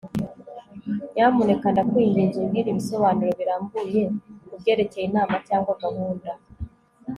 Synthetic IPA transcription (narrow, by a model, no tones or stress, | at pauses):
jamunekandakwiɲdiːɲziɡiːɾiβiso̞βaːnuɾo̞βiɾaːmbuje̞kubɟe̞ːɾe̞cejinaːmacaːŋɡwaɡaβuːnda